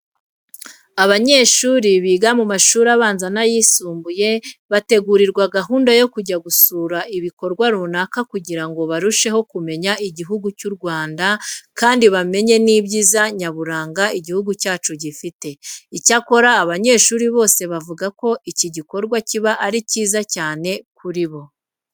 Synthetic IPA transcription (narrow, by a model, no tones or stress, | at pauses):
aβaɲe̞ːʃuːɾiβiːɡamumaʃuːɾaβaːnzanajiːsuːmbuje̞βate̞ɡuɾiɾɡwaɡaɦuːndajo̞kuɟaɡusuːɾaʔiβiko̞ɾɡwaɾuːnakakuɟiɾaŋɡo̞βaɾuʃe̞ɦo̞kume̞ɲaʔiɟiɦuɡucuɾɡwaːndakaːndiβame̞ɲe̞niːbɟiːzaɲaβuɾaːŋɡaiɟihuɡucaːt͡ʃuɟifite̞icako̞ɾaːβaɲe̞ːʃuːɾiβo̞ːse̞βavuɡako̞ʔiciɟiko̞ɾɡwaciβaʔaɾiciːzacaːne̞kuɾiβo̞